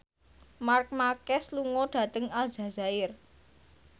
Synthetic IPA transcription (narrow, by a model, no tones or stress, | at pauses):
mark̚makɛsluŋɔɖ̥ä̤t̪əŋalz̥a̤zaɪr